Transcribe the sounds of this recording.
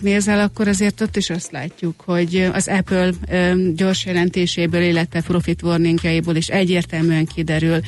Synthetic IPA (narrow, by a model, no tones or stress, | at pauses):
neːzɛlɒkːo̞ɾɒzeːrt̪o̞t̪ːiʃɒst̪laːcːukho̞ɟɒ̰zɛpølɟo̞rʃjɛlɛnt̪eːʃeːbøːlilːɛt̪ʋɛpro̞fit̪ʋo̞rniŋɡjɒjiboːleːʃɛɟːeːrt̪ɛlmyɛŋkid̪ɛɾyl